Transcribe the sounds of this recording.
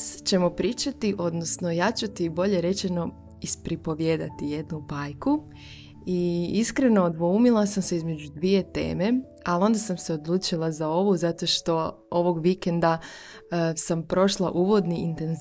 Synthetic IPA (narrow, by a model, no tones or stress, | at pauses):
t͡ɕe̞mo̞pɾiːt͡ʃat̪iʔo̞d̪nosno̞jat͡ʃat̪ibo̞ʎe̞ɾe̞t͡ʃeno̞ | ispɾipo̞ʋjed̪a̰t̪ije̞d̪nubajku | iiskɾe̞no̞ːd̪ʋoumilˠasamseizme̞d͡ʑud̪ʋije̞t̪ḛːme̞ | alio̞nd̪asamse̞o̞d̪lˠuːt͡ʃilˠazao̞ʋuzat̪o̞ʃt̪o̞ | oʋo̞ɡʋikend̪a | sampɾo̞ʃlˠa̰ʔuːʋo̞d̪niint̪e̞nz